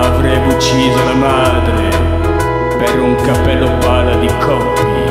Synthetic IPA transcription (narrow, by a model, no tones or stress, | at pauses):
avɾɛːbut͡ʃːiːzolamaːd̪ɾe | peɾuŋkapːɛlːobaːlad̪ikʰɔpː | i